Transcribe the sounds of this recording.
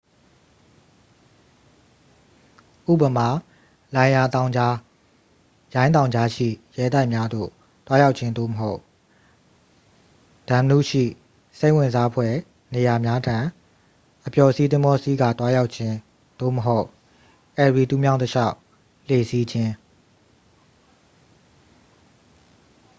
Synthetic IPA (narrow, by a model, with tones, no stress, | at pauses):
ʔṵ˦˨bə˨ma˨ | lã˨ɪ̃ja˨t̪ã˨ʊ̃a˦ | jã˦ɪ̃t̪̬ã˨ʊ̃ɲd͡ʑa˦ʃḭ˦˨jɛ˦˨t̪a˦ɪʔmja˦d̪o̰˦˨ | t̪wa˦ja˦ʊʔ̚t͡ɕʰɪ̃˦nd̪o̰˦˨məɦo˦ʊʔ | d̥ã˨mnṵ˦˨ʃḭ˦˨ | se˦ɪʔwɪ̃˨nza˦pʰwɛ˦˨ | ne˨ja˨mja˦dʰã˨ | ʔəpjɔ˨si˦t̪ɪ̃˦mbɔ˦si˦ɡa̰˦˨t̪wa˦ja˦ʊʔt͡ɕʰɪ̃˦ | d̪̥o̰˦˨məɦo˦ʊʔ | ʔɛ˨ɹi˨t̪u˦mjã˦ʊ̃təʃa˦ʊʔ | l̥e˨si˦d͡ʑɪ̃˦